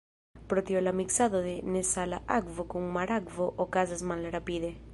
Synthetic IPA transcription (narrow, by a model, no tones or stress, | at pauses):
pɾot̪jolamiksaðoðenesalaʔakvokuŋmaɾaɡvoʔokazazmaleɾapiðe